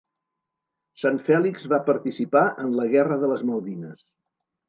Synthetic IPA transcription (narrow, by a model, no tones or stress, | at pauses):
saɱfɛlikzβapəɾt̪isipaʔənləɣɛrəðələzməlˠðinəs